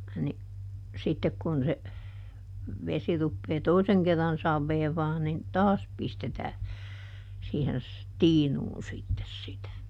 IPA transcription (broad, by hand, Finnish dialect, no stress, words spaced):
ni sitːek kun se ʋesi rupːeː toiseŋ kerːɑn sɑʋːeːʋɑː nin tɑːs pistetæː siːhen s tiːnuːn sitːes sitæ